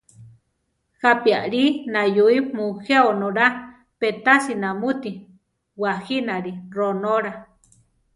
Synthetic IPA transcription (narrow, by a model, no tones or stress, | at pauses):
hapiaʔɾinajuimuheonoɾa | pet̪asinamut̪i | wahinaɾironoɾa